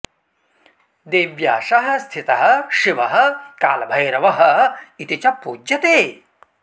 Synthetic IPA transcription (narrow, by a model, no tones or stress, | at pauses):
d̪eːʋjaːʃɐɦɐ̆st̪ʰit̪ɐɦɐ̆ʃiʋɐɦɐ̆kaːlɐbʱɐjɾɐʋɐɦɐ̆it̪it͡ʃɐpuːd͡ʒjɐt̪eː